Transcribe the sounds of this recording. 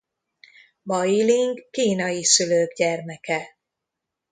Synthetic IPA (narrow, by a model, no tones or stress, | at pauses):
bɒjiliŋɡːiːnɒjisyløːɡɟɛrmɛkɛ